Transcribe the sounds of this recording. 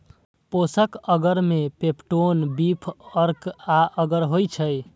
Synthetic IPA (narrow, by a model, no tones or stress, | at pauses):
posəkəɡəɾmepepʈonbipʰəɾkaʔəɡəɾɦojt͡ʃʰəj